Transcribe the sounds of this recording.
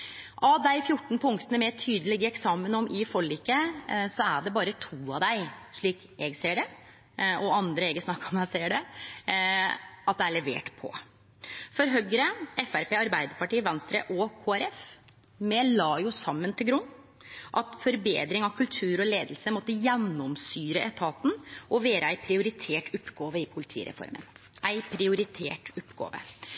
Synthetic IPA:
ʔɑd̪æɪfjʊʈːɳ̩pʰʊŋkt̪ənəmɛt̪ʰyːd̪əlɪɡəɛksɑːmənɔmʔɪfɔɭiːkəsɔæɖɛbɑːɾət̪ʰuːɑd̪æɪʂɭiːk | ɛɡseːɖɛ | ʔɔɑnd̪ɾəɛɡəsnɑkːɔmæseːəɖɛ | ɑt̪̚d̪ɛæɭɛʋḛːʈpʰɔ̰ | fɔɾɦœɡəɾəɛfæɾpeːɑɾbæɪd̪əɾpɑʈiːʋɛnst̪ɾə̰ʔɔkʰoːæɾɛf | mɛlɑːjʊsɑmːənt̪ʰɪlɡɾʉnː | ʔɑt̪fɔɾbeːd̪ɾɪŋɑʋkʰʉlt̪ʰʉːɾɔleːd̪l̩səmɔt̪ːəjɛnːɔmsyːɾəʔɛt̪ʰɑːt̪n̩ʔɔʋeːɾəæɪpʰɾɪʊɾɪt̪ʰeːʈʊpːɡɑːʋəɪpʰʊlɪt̪ʰḭːɾɛ̰fɔ̰ɾmə̰nʔæɪpʰɾɪʊɾɪt̪ʰḛːʈʊpːɡɑ̰ːʋə̰

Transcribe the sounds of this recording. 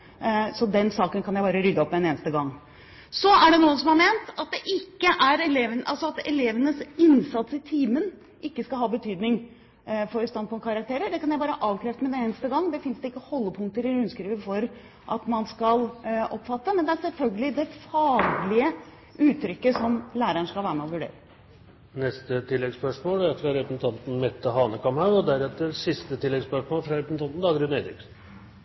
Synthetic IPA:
sɔd̪ɛnsɑːkənkʰɑnjæɪbɑːɾəɾʏd̪ːəɔpːmɛneːnəst̪əɡɑŋː | sɔæɖɛnuːəsɔmhæɾmeːnt̪ɑt̪̚d̪ɛʔɪkːəʔæɾɛleːʋənɑlsɔɑt̪ɛleːʋənəsɪnsɑt̪sɪt̪ʰiːmən | ʔɪkːəskɑlɦɑːbət̪ʰyːd̪nɪŋ | fɔɾst̪ɑnpʰʊkʰɑɾɑk̚t̪ʰeːɾəɖɛkʰɑnjæɪbɑːɾəʔɑːʋkʰɾɛːft̪əmɛd̪ɛneːnəst̪əɡɑŋːd̪ɛfɪnsd̪ɛɪkːəhɔlːəpʰʊŋkt̪əɾɪɾʉnskɾiːʋəfɔɾ | ʔɑt̪mɑnskɑlʔɔpfɑt̪ːəmɛnd̪ɛæɾsɛlfœlɡəlɪd̪ɛfɑːɡlɪə | ʉːt̪ʰːɾʏkːəsɔmlæːɾəɳʂkɑlʋæːɾəmɛɔʋʉɖḛːɾə | nɛst̪ət̪ʰɪlːɛɡspœʂmoːlæɾfɾɑɾɛpəsn̩t̪ʰɑnt̪n̩mɛt̪ːəɦɑːnəkʰɑmhɑʉɔd̪æɾɛt̪ːəɾsɪst̪ət̪ʰɪlːɛɡspœʂmoːlfɾɑɾɛpəsn̩t̪ɑnn̩d̪ɑːɡəɾʉneɪd̪ɾɪksn

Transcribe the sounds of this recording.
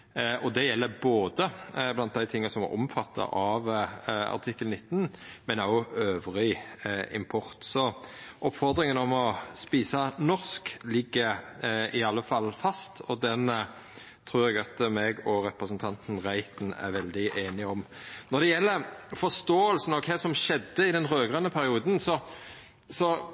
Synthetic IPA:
ʔɔd̪ɛjɛlːəboːd̪əblɑnt̪d̪æɪt̪ʰɪŋːɑsɔmæ̰ɾʔɔ̰mfɑt̪ʰːɑ̰ʔɑʋɑ̰ɾt̪ʰɪkːəlnɪt̪ːn̩mɛnæɔøːʋʁɪɪ̰mpʰɔɾt̪sɔʔɔpfɔʁd̪ɾɪŋənɔmɔspiːsɑnɔʁsklɪɡːəɪɑlːəfɑlːfɑst̪ɔd̪ɛn | t̪ʰɾuːɾɛɡɑt̪mɛːɡɔɾɛpɾəsənt̪ʰɑnt̪n̩ʁæɪt̪n̩æ̰ɾʋɛld̪ɪʔeːnɪɔmnɔd̪ɛjɛlːəfɔst̪oːəlsn̩ɔkʰɛːsɔmʃɛd̪ːəɪd̪ɛnɾøːɡʁɑnəpʰæɾɪuːd̪n̩sɔ | sɔ

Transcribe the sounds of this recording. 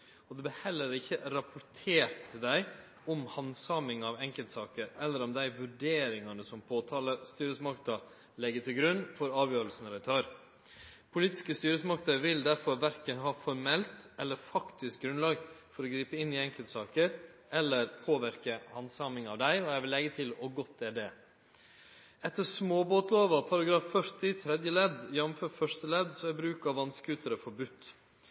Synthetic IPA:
ɔd̪ɛbəhɛlːəɾɪçːəɾɑpʰʊɾt̪ʰeːɾʈd̪æɪ | ɔmhɑnsɑmɪŋɑʋɛŋkəlt̪sɑːkəɾɛlːəɾɔmd̪æɪʋʉɖeːɾɪŋɑnəsɔmpʰoːt̪ʰɑːləst̪yːɾəsmɑkt̪ə | lɛɡːət̪ʰɪlɡɾʉnːfɔɾɑːʋjøːɾəlsənɾæɪt̪ʰɑːɾ | pʰʊliːt̪ɪ̥skəst̪yːɾəsmɑkt̪əʋɪld̪æɾfɔɾʋæɾkənɦɑːfɔɾmɛlt̪ʔɛlːəɾfɑkt̪ɪsk̚ɡɾʉnlɑːɡfɔɾɔɡɾiːpəɪnːɪɛŋkəlt̪sɑːkəɾ | ʔɛlːəɾpʰoːʋæɾkəhɑnsɑmɪŋɑ̰ʋd̪æɪɔjɛɪʋɪlːɛɡət̪ʰɪlɔɡɔt̪̚d̪ɛæɖɛː | ɛt̪ːəsmoːboːt̪loːʋɑpʰɑɾɑɡɾɑːfːœɾt̪ɪt̪ʰɾɛd̪jəlɛd̪jɛnmføːfœʂt̪əlɛd̪sɔæbɾʉːkɑʋɑnskʉːt̪ʰəɾəfɔɾbʉt̪ː

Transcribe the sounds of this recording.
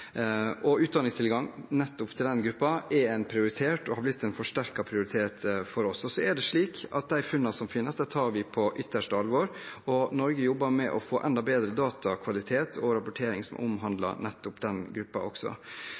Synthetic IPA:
ɔʉːt̪̚d̪ɑnɪŋst̪ʰɪlɡɑŋnɛt̪ːʊpt̪ʰɪld̪ɛnɡɾʉpːɑʔɛɾɛɪnpʰɾɪʊɾɪt̪ʰeːʈɔhɑɾblɪt̪ːɛɪnfɔʂʈæɾkɑpʰɾɪʊɾɪt̪ʰeːt̪fɔɾɔsɔsɔæɖɛʂɭiːkɑ̰t̪̚d̪æɪfʉnːɑsɔmfɪnːəsd̪æt̪ʰɑːɾʋɪpʰɔʔʏt̪ːəʂʈəɑlʋɔɾɔnɔɾɡəjɔbːɑmɛʔɔfoːʔɛnd̪ɑbeːd̪ɾəd̪ɑːt̪ʰɑkʰʋɑlɪt̪ʰeːt̪ʰɔɾɑpʊʈʰeːɾɪŋsɔmʔɔ̰mɦɑnd̪lɑ̰nɛt̪ːʊpd̪ɛnɡɾʉpːɑ̰ɔ̰ksɔ̰

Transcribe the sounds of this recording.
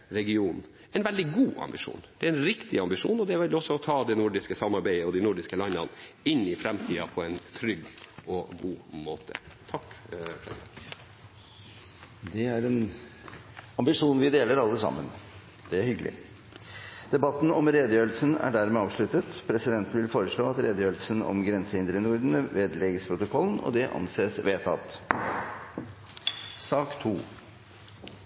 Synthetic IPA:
ɾɛɡɪuːn | ɛɪnʋɛld̪ɪɡuːʔɑ̰mbɪʂṵːnd̪̥ɛæɾɛnɾɪkt̪ɪɑmbɪʂṵːnɔd̪ɛæʋɛlɔsːɔɔt̪ʰɑːd̪ɛnʊɖɪskəsɑmːɑɾbæɪəɔd̪ɪnʊɖɪskəlɑnːə̰n | ɪnːɪfɾɛmt̪ʰiːɑ̰pʰɔɛnt̪ʰɾʏɡɔɡuːmoːt̪ʰə̰t̪ʰɑkkʰɾɛ̰s | d̪ɛæɾɛn | ɑmbɪʂuːnʋɪd̪eːləɾɑlːəəsɑ̰mːən | d̪̥ɛæɾhʏɡəlɪ̰ | d̪̥ɛbɑt̪ːn̩ɔmɾeːd̪əjøːəlsənæ̰ɖæɾmɛɑːʋʂɭʉt̪ət̪pʰɾɛsɪd̪ɛnt̪n̩ʋɪlfoːɾəʂɭoːɑt̪ɾeːd̪əjøːəlsənɔ̰mɡɾɛnsəɪnd̪ɾənʊɾd̪n̩əʋeːd̪lɛːɡəspʰɾʊt̪ʊkʰɔlːənɔ̰d̪ɛʔɑ̰nseːsʋeːt̪ʰɑ̰t̪ | sɑːkt̪ʰuː

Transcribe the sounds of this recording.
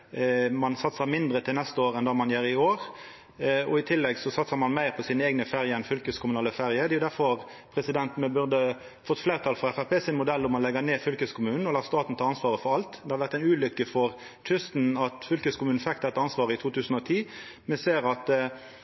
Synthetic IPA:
mɑnsɑt̪səmɪnd̪ɾət̪ʰɪlnɛst̪əoːɾɛnd̪ɑːmɑnjøːɾɪoːʁ | ɔ̰ɪt̪ʰɪlːɛɡsɔsɑt̪səɾmɑnmæɪɾpʰɔsiːnəeːɡnəfeʁjəɛnfʏlkəskʰʊmʉnɑːləfeːɾjəd̪ɛːʊd̪æɾfɔʁ | pʰɾɛsɪd̪ɛnt̪mɛbʉʁd̪ə | fɔt̪ːfleːʁt̪ʰɑlfʁɔɛfæɾpʰeːsɪnmʊd̪ɛlːʊmːɑnlɛɡəneːfʏlkəskʰʊmʉːnn̩ɔlɑːst̪ɑːt̪n̩t̪ʰɑːɑnsʋɑːʁəfɔɾɑlt̪d̪ɛhɑɾʋæʁt̪æɪnʉːlʏkːəfɔʁ | t̪ʰʏst̪n̩ɑt̪fʏlkəskʰʊmʉːnn̩fɛkt̚d̪ɛt̪ːəɑnsʋɑːʁəɪt̪ʰuːt̪ʰʉːsn̩ɔt̪ʰiː | mɛseːɾɑt̪

